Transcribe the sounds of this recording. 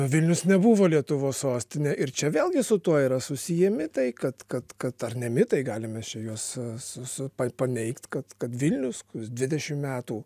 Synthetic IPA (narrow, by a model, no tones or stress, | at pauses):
ʋʲɪlʲnʲʊsnʲɛbuʋoːlʲiɛt̪ʊʋoːssoːsʲt̪ʲɪnʲeʔɪɾt͡ʃʲɛʋʲeːlˠɡʲɪsʊt̪uɔiːɾɐsʊsʲɪjɛmʲɪt̪ɐɪkɐt̪kɐt̪kɐt̪ɐrnʲɛmʲɪt̪ɐɪɡɑːlʲɪmʲɛst͡ʃʲɛjuɔsʊsʊpɐpɐnʲɛɪkt̪kɐt̪kɐt̪ʋʲɪlʲnʲʊskʊsd̪ʲʋʲɪd̪ʲɛʃʲɪmmʲæːt̪uː